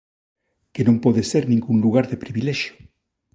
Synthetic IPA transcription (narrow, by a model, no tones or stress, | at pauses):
kenõmpoðeseɾnĩŋɡuŋluɣaɾðepɾiβilɛʃjo̥